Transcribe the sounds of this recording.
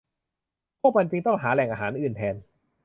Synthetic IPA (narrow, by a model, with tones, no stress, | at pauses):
kʰu˥˩pa˧nt͡ɕi˧ŋt̪ɔ˥˩ŋɦaː˩˦lɛ˨˩ŋʔaː˧ɦaː˩˦nʔɯː˨˩nt̪ʰɛː˧n